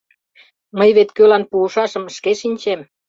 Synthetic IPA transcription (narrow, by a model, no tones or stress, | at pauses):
məjβet̪kølɑnpuːʃɑʃə̆mʃkeʃinʲt͡ɕem